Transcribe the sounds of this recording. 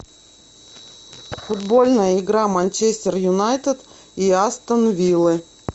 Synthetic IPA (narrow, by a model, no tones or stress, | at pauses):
fʊd̪bo̞lʲnəjəɪɡɾamanʲt͡ɕesʲtʲɪrjʊnajt̪ət̪ | iast̪ənvʲilˠɨ